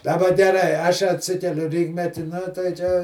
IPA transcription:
dɐˈbɐ ɡʲɛˈrɐɪ ˈɐʃ ɐtʲˈsʲɪkʲɛlʲʊ ˈrʲiːkmʲɛtʲɪ ˈnʊ tɐɪ t͡ʃʲɛ

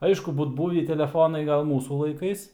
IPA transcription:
ˈɐɪʃkʊ ˈbuːt ˈbuːʋʲiː tʲɛlʲɛˈfoːnɐɪ ˈɡɐlˠ ˈmuːsuː lˠɐɪˈkɐɪs

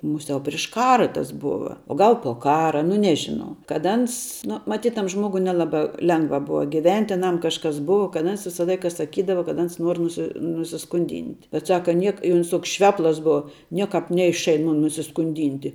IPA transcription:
ˈmʊˌsʲɛʊ pʲrʲɪʃ ˈkɑːrɐ tɐs ˈbʊʋɐ oː ˈɡɐlˠ poː ˈkɑːrɐ nʊ ˈnʲæːʒʲɪnɐʊ kɐt ˈɐns nʊ mɐˈtʲiːt tɐm ˈʒmoːɡʊɪ nʲɛˈlˠɑːbɐ ˈlʲɛŋɡʋɐ ˈbʊʋɐ ɡʲɪˈʋʲɛnʲtʲ ɪ ɐˈnɐm kɐʃˈkɐs ˈbʊʋɐ kɐ ˈɐns ˈʋʲɪsɐ ˈlˠɐɪkɐ sɐˈkʲiːdɐʋɐ kɐt ˈɐns ˈnuɔr nʊˈsʲɪ nʊsʲɪskʊnʲˈdʲiːnʲtʲ bʲɛt ˈsɑːkɐ ˈnʲiɛk ɪ ˈʊns ˈtoːks ˈʃʲʋʲæːplˠɐs ˈbʊʋɐ ˈnʲiɛkɑːp ˈnʲɛɪʃɐɪn ˈmʊn nʊsʲɪskʊnʲˈdʲɪnʲtʲɪ

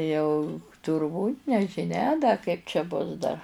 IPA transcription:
ˈjɛʊ tʊrˈbuːtʲ nʲɛʒʲɪˈnʲɛ dɐ kɐɪp t͡ʃʲɛ ˈbʊs dɐr

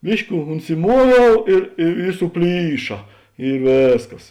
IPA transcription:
ˈbʲɪʃʲkʲɪ ʊnʲsʲɪˈmuɔʋʲɛʊ ɪr ɪ ɪ sʊˈpʲlʲiːʃɐ ɪ ˈʋʲeːsˌkɐs

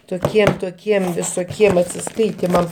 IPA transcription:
toːˈkʲiɛm toːˈkʲiɛm ʋʲɪsoːˈkʲiɛm ɐtʲsʲɪˈskɐɪtʲɪmɐm

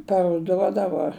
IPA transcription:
pɐrʊˈduɔdɐʋoː

